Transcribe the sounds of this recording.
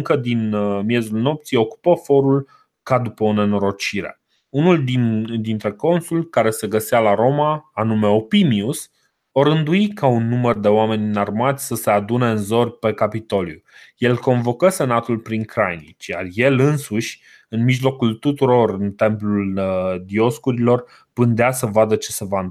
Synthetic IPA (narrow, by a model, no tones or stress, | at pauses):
ɨŋkəd̪inmje̞zulno̞p̚t̪sijo̞ku̥pəfo̞ɾul | kad̪upəo̞ne̞no̞ɾo̞t͡ʃiɾe̞̰ | unuld̪id̪int̪ɾe̞ko̞nsulkaɾe̞se̞ɡəsealaɾo̞maːnume̞o̞pimius | oɾɨnd̪uikaunːumərd̪e̞oame̞nʲnarmat̪sʲsəse̞ad̪uneɨnzo̞rpe̞kapit̪o̞ljṵje̞lko̞nvo̞kəse̞nat̪ulpɾiŋkɾajnit͡ʃja̰rje̞lɨnsuʃʲ | ɨnmiʒlo̞kult̪ut̪uɾo̞rɨnt̪e̞mpluld̪io̞skuɾilo̞r | pɨnd̪easəvad̪ət͡ʃe̞se̞van